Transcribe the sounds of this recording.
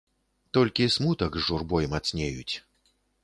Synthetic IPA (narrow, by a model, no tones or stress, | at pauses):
t̪ɔlʲkʲismut̪ɐkʐurbɔjmat̪sʲnʲejut͡sʲ